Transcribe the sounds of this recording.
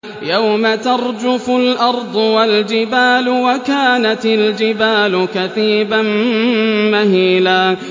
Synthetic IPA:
jawmat̪ɑɾˤd͡ʒʊfʊlʔɑɾˤd̪ˤʊwald͡ʒɪbaːlʊwakaːnat̪ɪld͡ʒɪbaːlʊkaθiːban | mahiːlaː

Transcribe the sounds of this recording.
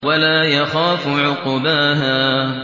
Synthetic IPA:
walaːjaxaːfʕʊqʊbaɦaː

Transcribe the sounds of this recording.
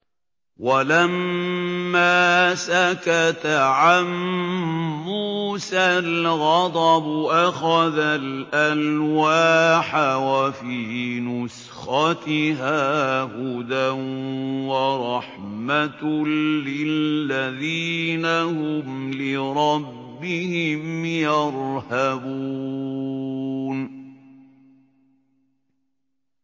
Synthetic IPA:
walamː | aːsakat̪aʕamː | uːsalɣɑd̪ˤɑbʊʔaxaðalʔanwaːħawafiːnʊs | xɑt̪ɪɦaːhʊd̪a | waɾˤɑħmat̪ː | ɪlːaðiːnahʊmlɪɾˤɑbːɪhɪmjɑɾˤhabuː | n

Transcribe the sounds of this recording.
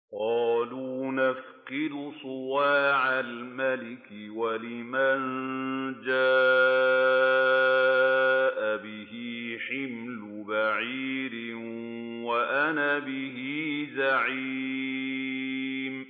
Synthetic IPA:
qɑːluːnafqɪd̪ʊsˤʊwaːʕalmalɪkɪwalɪman | d͡ʒaː | ʔabɪhiħɪmlʊbaʕiːɾɪ | waʔanabɪhiːzaʕi | m

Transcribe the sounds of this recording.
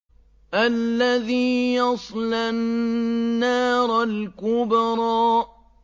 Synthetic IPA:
ʔalːaðiːjɑsˤlanːaːɾˤlkʊbɑɾˤɑːʔ

